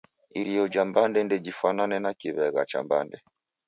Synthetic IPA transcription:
iɾijɔd͡ʒambandɛndɛd͡ʒifananɛnakiβɛɣa̰t͡ʃa̰mba̰ndɛ

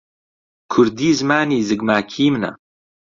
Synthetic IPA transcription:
kʰʊɾd̪iːzmaːniːzɨɡmaːkʰiːmna̰

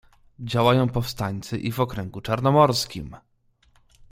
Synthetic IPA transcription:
d͡ʑawajɔ̃w̃pɔfst̪aɲʲt̪sɘʔivɔkɾɛŋɡut͡ʂaɾnɔmɔɾskʲḭm

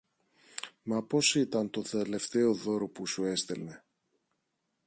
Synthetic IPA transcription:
mɐpo̞sit̪ɐnt̪o̞θe̞le̞ft̪e̞o̞ðo̞ɾo̞pusue̞st̪e̞lne̞

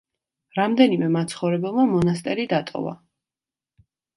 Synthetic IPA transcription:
ɾamd̪ɛnimɛmat̪sʰχɔvɾɛbɛlˠmamɔnast̪ʼɛɾid̪at̪ʼɔ̰va̰

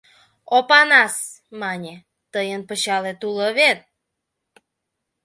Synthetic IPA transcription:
opɑnɑs | mɑnʲe | t̪əjənpəɕɑlet̪uləβet̪̚

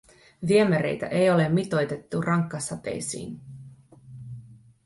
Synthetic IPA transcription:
ʋiemæɾe̞̰jt̪æ̰ʔe̞jo̞le̞mːit̪o̞jt̪e̞t̪ːurʔɑŋkːɑsɑt̪ḛjsḭːn

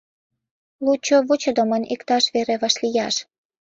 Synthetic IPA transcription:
lut͡ɕoβut͡ɕŏd̪omənʲʔikt̪ɑʃβeɾeβɑʃlijɑʃ

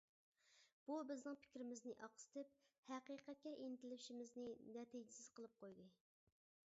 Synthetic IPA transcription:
b̥ubɪznɨŋpʰɪ̥kʲɾɪmɪznɪʔɑqsɪ̥t̪ʰɪp̚hæqiːqɛt̪̚kʲɛʔint̪ɪlpʃimɪznɪnɛt̪id͡ʒɪsɪz̥qʰəlˠɨp̚qʰojd̪ɨ

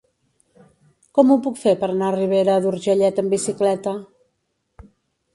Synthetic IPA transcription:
kɔmupukfepəɾənariβ̞eɾəːðuɾʒəʎɛt̪əmbisiklɛt̪ə

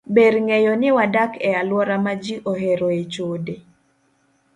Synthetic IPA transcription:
beɾŋejɔnɪwadakɛalwɔɾamad͡ʒiʔoɦeɾoet͡ʃode

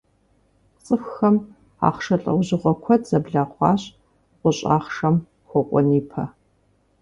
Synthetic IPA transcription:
t͡sʼɨfxɐm | a̰ːχʂɐɬʼɐ̰wʑɪʁʷɔkʷʰɔtz̥ɐbɮaːχʷɑ̰ːɕʼ | qʷʊɕʼa̰ːχʂɐm | kʷɔkʷʼɔ̰niːpʰɐ

